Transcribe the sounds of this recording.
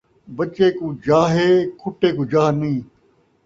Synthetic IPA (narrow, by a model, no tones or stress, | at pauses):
bət͡ʃeːkuːd͡ʒaːɦeːkʰʊʈːeːkuːd͡ʒaːnɐĩː